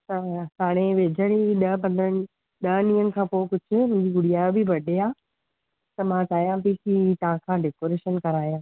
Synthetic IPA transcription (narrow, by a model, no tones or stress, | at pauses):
t̪ɐsaːɽ̃ẽʋeːd͡ʑʱəɽ̃iɗɐpɐ̃nd̪ənɪ̆ | ɗɐnĩːənɪ̆kʰãːpoːkʊd͡ʑʱʊ̆mʊ̃ɲd͡ʑiɡʊɽijaːobʱɪbɐɗeaː | t̪ɐmãːt͡ɕaːjãpikit̪ɐãkʰãːɖeːkoːɾeːʃənkɐɾaːjãː